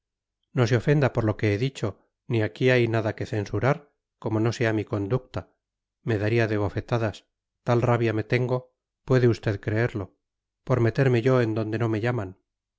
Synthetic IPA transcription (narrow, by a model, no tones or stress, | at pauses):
no̞seo̞fe̞nd̪apo̞ɾlo̞ke̞eðit͡ʃo̞ | niakiajnaðake̞θe̞nsuɾaɾ | ko̞mo̞no̞se̞amiko̞nd̪uk̚t̪a | me̞ðaɾiaðe̞β̞o̞fe̞t̪aðas | t̪alraβjame̞t̪e̞ŋɡo̞ | pwe̞ðeust̪e̞ðkɾe̞eɾlo̞ | po̞ɾme̞t̪e̞ɾme̞ʝo̞e̞nd̪o̞nd̪e̞no̞meʎaman